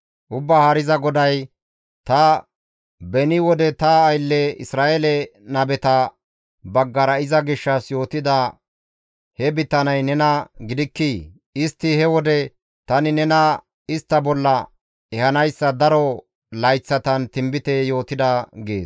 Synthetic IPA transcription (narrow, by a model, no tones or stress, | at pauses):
ʔʊbːaːhɐɾɪzɐɡɔd̪ɐj | t̪ɐ | bɛnɪwɔd̪ɛt̪ɐːjlːɛɪsɾaːʔelɛnɐbɛt̪ɐ | bɐɡːɐɾɐɪzɐɡɪʃːɐsjo̞ːt̪ɪd̪ɐ | hɛbɪt̪ːɐnɐjnɛnɐɡɪd̪ɪkːi | ɪst̪ːɪhɛwɔd̪ɛ | t̪ɐnɪnɛnɐ | ɪst̪ːɐbɔlːɐ | ɛhɐnɐjsːɐd̪ɐɾɔ | lɐjt͡sːɐt̪ɐnt̪ɪmbɪt̪ɛjo̞ːt̪ɪd̪ɐɡḛːs